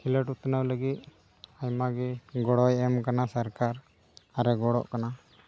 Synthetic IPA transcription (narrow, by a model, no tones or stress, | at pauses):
kʰiləʈut̪nəwləɡit̪̚ | ajmaɡɛɡɔɽɔjɛmkanasaɾkaɾ | aɾɛɡɔɽɔ̰ʔkana